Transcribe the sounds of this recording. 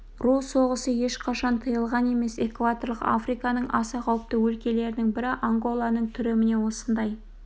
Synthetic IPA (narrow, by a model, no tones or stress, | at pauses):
ruso̞ʁəsəje̞ʃqʰɑʃɑnt̪ʰəjəlˠʁɑne̞me̞se̞kvat̪o̞rlˠəqa̰fɾijkɑnəɴʔɑsɑqʰɑwəp̚t̪əwɵlkʲe̞le̞ɾɪnɪŋbɪɾɪʔoŋɡo̞lˠɑnəɴt̪ʰʏɾemɪne̞wo̞sənd̪ɑj